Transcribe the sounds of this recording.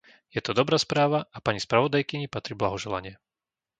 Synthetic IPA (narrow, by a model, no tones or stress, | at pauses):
jɛt̪ɔd̪ɔbɾaːspɾaːʋaʔapaɲispɾaʋɔd̪ajkiɲipat̪ɾiblaɦɔʒɛla̰ɲɪɛ